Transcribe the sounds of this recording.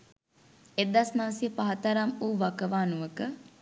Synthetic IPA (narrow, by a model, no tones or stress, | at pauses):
ed̪asnaʋəsijəpaɦɐt̪aɾamuːʋakəʋaːnuʋəkə